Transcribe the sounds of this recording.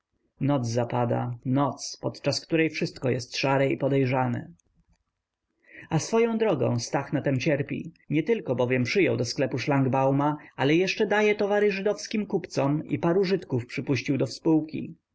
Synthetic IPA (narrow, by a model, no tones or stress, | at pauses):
nɔd̪zzapad̪a̰nɔt̪spɔt̪t͡ʂaskt̪uɾɛjfʂɘst̪kɔjɛst̪ʂaɾɛḭpɔd̪ɛjʐanɛ̰ | asfɔjɔ̃w̃d̪ɾɔɡɔ̰̃w̃st̪axnat̪ɛmt͡ɕɛɾpʲḭ | ɲɛt̪ɘlkɔbɔvʲjɛmpʂɘjɔwd̪ɔsklɛpuʂlaŋɡbawmaalɛjɛʂt͡ʂɛd̪ajɛt̪ɔvaɾɘʐɘd̪ɔfskʲimkupt̪sɔmḭpaɾuʐɘt̪kufpʂɘpuɕt͡ɕiwd̪ɔfspuwkʲḭ